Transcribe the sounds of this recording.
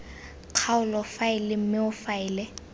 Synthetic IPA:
q͡χʰaʊlɔfaɪlɪm̩mɪʊfaɪːlɛ

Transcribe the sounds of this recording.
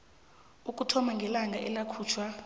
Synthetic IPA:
uk̬ʼutʰɔmaŋɡʱɛlaŋɡʱaʔɛlakʰuːt͡ʃʰwa

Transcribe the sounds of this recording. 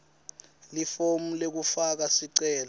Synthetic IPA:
lifomulek̬ufak̬asiǀɛːlɔ

